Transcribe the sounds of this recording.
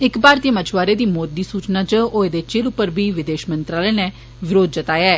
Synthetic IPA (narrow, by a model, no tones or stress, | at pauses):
ɪkbaːɾt̪iəmət͡ʃʋaːɾeːd̪iːmoːd̪ːiːsuːt͡ʃnaːt͡ʃəoːed̪eːt͡ʃelʊpːəɾbʱiːʋɪd̪eːʃmənt̪ɾaːleːnɛː | ʋɪɾoːd̪̚d͡ʒət̪aːjɛː